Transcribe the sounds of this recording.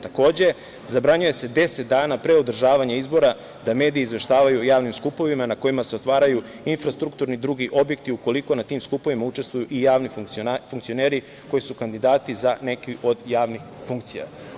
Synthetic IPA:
t̪ako̞ːd͡ʑe̞ | zabɾaɲuje̞se̞d̪e̞set̪̚d̪aːnapɾeod̪r̩ʒaːʋaɲaizbo̞ɾa | d̪ame̞ːd̪ijiizʋe̞ʃt̪aːʋajujaːʋnimskupo̞ʋimanako̞imase̞ot̪ʋaːɾaju | infɾast̪ɾuk̚t̪uɾnid̪ɾuɡiʔo̞bje̞kt̪iuko̞liko̞nat̪iːmskupo̞ʋimaut͡ʃe̞st̪ʋujuʔijaːʋnifufuŋkt̪sio̞ne̞ːɾi | ko̞jisukand̪id̪aːt̪izane̞kiʔo̞d̪jaːʋnixfuŋkt̪sija̰

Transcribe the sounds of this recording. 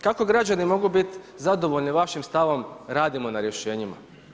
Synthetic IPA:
kako̞ɡɾad͡ʑanimo̞ɡubit̪ | zad̪o̞ʋoʎniʋaʃimst̪aʋo̞mɾaːd̪imo̞naɾje̞ʃe̞ːɲima̰

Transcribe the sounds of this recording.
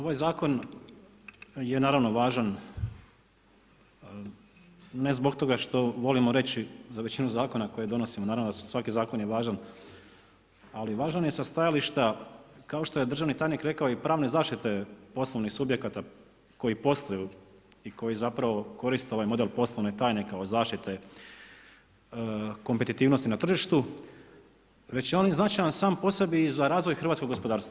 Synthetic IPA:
o̞ʋajzaːko̞n | jenaːɾaʋno̞ʋaːʒan | e̞zbo̞kt̪o̞ɡaʃt̪o̞ʋo̞limo̞ɾe̞t͡ɕizaʋet͡ɕinuzaːko̞nako̞jed̪o̞no̞simonaːɾavʋnod̪assʋakizaːko̞njeʋaːʒan | aliʋaːʒanje̞sast̪ajaliʃt̪akao̞ʃt̪o̞jed̪r̩ʒaʋnit̪aːjnikɾe̞kaoipɾaːʋnezaːʃt̪it̪e̞po̞slˠoʋnixsubje̞kat̪a | ko̞jipo̞st̪ajuiko̞jizapɾaʋo̞ko̞ɾist̪eo̞ʋajmo̞d̪e̞lˠpo̞slˠoʋnet̪aːjne̞kaozaːʃt̪it̪e̞ | ko̞mpet̪it̪iːʋnost̪inat̪r̩ʒiʃt̪u | ʋe̞t͡ɕjeonjznat͡ʃajansaːmpo̞se̞biːzaɾaːzʋo̞jxɾrʋat̪ko̞ɡo̞spod̪aːɾst̪a

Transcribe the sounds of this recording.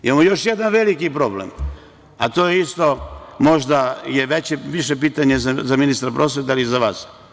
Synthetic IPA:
imamojo̞ʃje̞d̪anʋe̞likipɾo̞blḛm | at̪o̞jeist̪o̞mo̞ʒd̪ajeʋet͡ɕeʋiʃepiːt̪aɲezazaminist̪ɾapɾʔo̞sʋe̞t̪̬aliizaʋaːs

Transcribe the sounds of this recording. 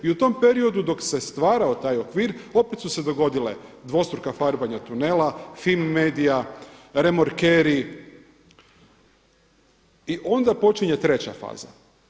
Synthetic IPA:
iut̪o̞mpe̞ɾio̞d̪ud̪o̞kse̞st̪ʋaːɾaot̪aːjo̞kʋiːɾo̞pet̪suse̞d̪o̞ɡo̞d̪ile̞̰d̪ʋo̞st̪ɾokafaɾbaɲat̪une̞lafilmːeːd̪ijaɾemoɾkeɾi | iʔo̞nd̪apo̞t͡ʃiɲe̞t̪ɾe̞t͡ɕa̰fa̰ːza̰

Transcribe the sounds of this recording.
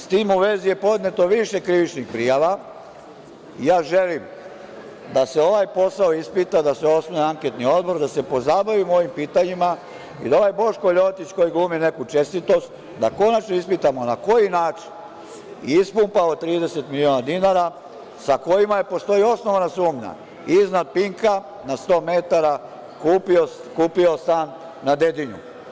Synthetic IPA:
st̪iːmuʋe̞ːzije̞po̞d̪ne̞t̪o̞ʋiʃe̞kɾiʋit͡ʃnixpɾijaʋa | ijaːʒe̞lim | d̪ase̞o̞ʋajpo̞saoispit̪ad̪aseo̞smoneaŋke̞t̪nio̞d̪̚bo̞ɾd̪ase̞po̞zabaʋimo̞ʋimpiːt̪aɲima | id̪ao̞ʋajbo̞ʃko̞ʎo̞t̪it͡ɕko̞jiɡlˠuːmine̞kut͡ʃe̞st̪it̪o̞st̪ | d̪a̰ko̞nat͡ʃnoispit̪amo̞nako̞jinaːt͡ʃi̥n | ḭispumpaot̪ɾiːd̪e̞se̞t̪milio̞nad̪inaɾa | sako̞jimajepo̞st̪o̞jio̞sno̞ʋanasuːmɲa̰ | iznad̪̚piŋka | nast̪o̞ːmet̪aɾa | kuːpiokuːpio̞st̪an | nad̪e̞d̪iɲṵ

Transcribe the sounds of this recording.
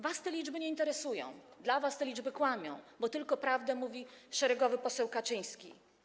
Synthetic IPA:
vast̪ɛlʲid͡ʐbɘɲɛint̪ɛɾɛsujɔ̰̃w̃d̪lavast̪ɛlʲid͡ʐbɘkwamʲjɔ̰̃w̃bɔt̪ɘlkɔpɾavd̪ɛmuvʲiʂɛɾɛɡɔvɘpɔsɛwkat͡ʂɘj̃skʲḭ

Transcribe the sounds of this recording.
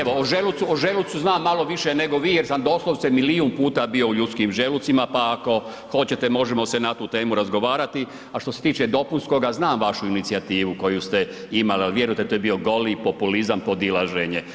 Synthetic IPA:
eooʒelut̪suoʒelut̪suznaːmːalo̞ʋiʃene̞ɡo̞ʋiːjeɾsamd̪o̞slˠoʋsemiliunpuːt̪abio̞uʎut̪skiːmʒelut̪simapaːko̞ | xo̞t͡ɕe̞t̪e̞mo̞ʒemo̞senat̪uːt̪e̞ːmuɾazɡo̞ʋaːɾat̪i | aʃt̪o̞se̞t̪iːt͡ʃed̪o̞punsko̞ɡaznaːmʋaʃuinit̪siat̪iːʋuko̞just̪e | imalialʋje̞ɾujt̪et̪oːje̞bio̞ɡo̞lipo̞pulizampo̞d̪ilˠaʒeɲe

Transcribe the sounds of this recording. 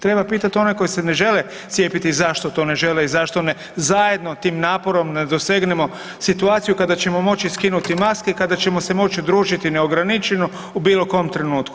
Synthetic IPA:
t̪ɾe̞bapiːt̪at̪io̞neko̞jisene̞ʒe̞le | t̪sjepit̪izaʃt̪ot̪o̞ne̞ʒe̞leizaʃt̪one | zaje̞d̪no̞t̪iːmnaːpo̞ɾo̞mned̪o̞se̞ɡnemo̞ | sit̪uaːt̪sijukad̪at͡ɕe̞mo̞mo̞t͡ɕiskinut̪imaskeikad̪at͡ɕe̞mo̞se̞mo̞t͡ʃiud̪ɾuːʒit̪ine̞oɡɾanit͡ʃeno | ubiːlˠo̞ko̞mt̪ɾenuːt̪ku

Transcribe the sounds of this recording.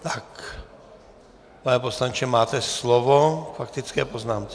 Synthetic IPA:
t̪ḁk | panɛposlaɲt͡ʃɛmaːt̪ɛslɔvofakt̪it͡skɛːpoznaːmt͡sɛ

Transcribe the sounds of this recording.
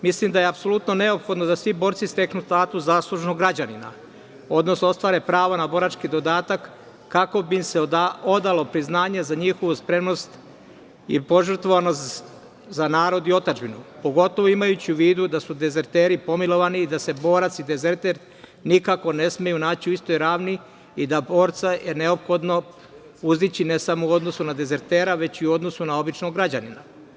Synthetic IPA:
mislimd̪ajeapso̞lˠut̪no̞ne̞o̞pxo̞d̪nod̪asʋibo̞ːɾt̪sist̪e̞knust̪aːt̪uszaːslˠuʒnoɡɾad͡ʑanima̰ | o̞d̪no̞snost̪ʋaːɾepɾaːʋonabo̞ːɾat͡ʃkid̪o̞d̪aːt̪akː | ako̞bimseao̞d̪alo̞pɾiznaːɲezaɲiːxoʋuspɾe̞mno̞st̪ | ḭpo̞ʒr̩t̪ʋoʋanos | zanaːɾo̞d̪io̞t̪ad͡ʒbinupo̞ɡo̞t̪o̞ʋoimajut͡ɕiuʋiːd̪ud̪asud̪e̞ze̞ɾt̪eːɾipo̞milo̞ʋaniːd̪ase̞bo̞ːɾat̪sid̪e̞ze̞ɾt̪eɾ | nikako̞ne̞smejunaːt͡ɕiuist̪o̞jɾaːʋniː | d̪abo̞ːɾt̪sajene̞o̞pxo̞d̪no̞ | uzit͡ɕine̞samouo̞d̪nosunad̪e̞ze̞ɾt̪e̞ːɾaʋe̞t͡ɕiuo̞d̪no̞sunao̞bit͡ʃnoɡɾad͡ʑanina

